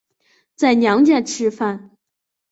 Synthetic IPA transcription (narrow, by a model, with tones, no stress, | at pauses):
t͡sa˥˩ɪnjɑ˧˥ŋt͡ɕja˥˧nʈ͡ʂʰɻ̩˥˧fa˥˩n